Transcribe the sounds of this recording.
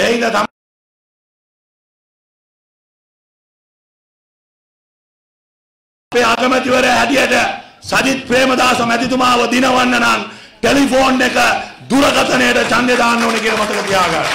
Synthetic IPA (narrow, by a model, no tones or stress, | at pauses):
eind̪ət̪a | peːaɡəmət̪iʋəɾeɦæʈijeʈəsad͡ʒit̪̚pɾeːməd̪aːsɐmæt̪it̪umaːʋəd̪inəʋanːənanʈelipoːnːekəd̪uɾəkat̪ənejəʈət͡ʃand̪jed̪aːnːoːnekienəmat̪əkət̪ijaːɡanːu